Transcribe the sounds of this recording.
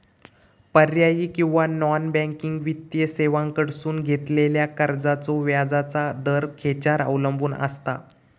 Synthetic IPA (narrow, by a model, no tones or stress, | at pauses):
pəɾjajiːkĩw̃ʋanɔnbɛ̃ŋkiŋɡʋit̪jəseʋãŋkəɽsuːnɡʱet̪leljakəɾd͡zat͡soʋjad͡zat͡sad̪əɾkʰet͡ɕaɾə̰wləmbuːnə̰st̪a̰